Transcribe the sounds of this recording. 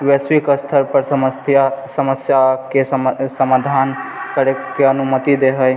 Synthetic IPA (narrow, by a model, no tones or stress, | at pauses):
weswikəst̪ʰəɾpəɾsəməjasəməsjakesəmad̪ʱankəɾekeənumət̪id̪eɦəj